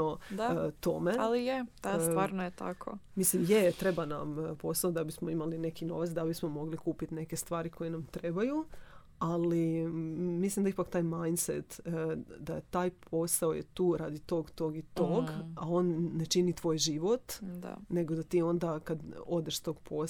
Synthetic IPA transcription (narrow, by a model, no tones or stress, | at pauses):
ot̪o̞me̞alijesʋaːɾnojet̪a̰kʰo̰mislimjet̪ɾe̞banampo̞saod̪abismoimaline̞kino̞ʋat̪sd̪abismo̞mo̞ɡlikuːpit̪ne̞kest̪ʋaːɾikʰo̞jenamt̪ɾe̞baju | ali | mislimd̪aipakt̪aːjmajnsḛt̪d̪a̰t̪aːjpʰo̞saojet̪uːɾad̪it̪o̞ːɡt̪oːɡit̪o̞ːɡao̞nːe̞t͡ʃinit̪ʋo̞ːjʒiʋo̞t̪da̰ne̞ɡod̪at̪iːo̞nd̪akad̪o̞d̪eʃst̪o̞ɡpʰo